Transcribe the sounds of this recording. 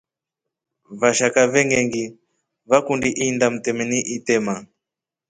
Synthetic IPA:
vaʃakavɛŋɡɛŋɡi | vakundiʔiːndam̩tɛmɛniʔitɛma

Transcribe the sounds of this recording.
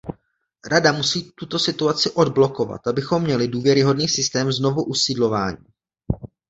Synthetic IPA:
ɾadamusiːt̪ut̪o̞sɪt̪uat͡sɪʔo̞dblo̞ko̞va̰t̪ʔabɪxo̞mːɲɛlɪduːvjɛɾɪɦo̞dniːsɪst̪ɛːmzno̞vuʔusidlo̞vaːɲḭː

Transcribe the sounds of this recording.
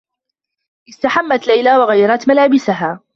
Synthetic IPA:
ʔɪst̪aħamːat̪lajlaːwaɣajɾˤɑt̪malaːbɪsaɦaː

